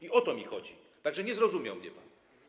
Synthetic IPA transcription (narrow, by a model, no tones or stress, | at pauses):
iʔɔt̪ɔmʲixɔd͡ʑi | t̪aɡʐɛɲɛzɾɔzumʲja̰wmɲɛpa̰n